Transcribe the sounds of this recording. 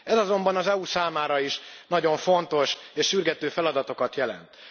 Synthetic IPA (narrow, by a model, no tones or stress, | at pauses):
ɛzɒzo̞mbɒnɒzɛusaːmaːɾɒiʃnɒɟo̞ɱfo̞nt̪o̞ʃeːʃːyrɡɛt̪øːfɛlɒd̪ɒt̪o̞kɒt̪jɛlɛ̰nt̪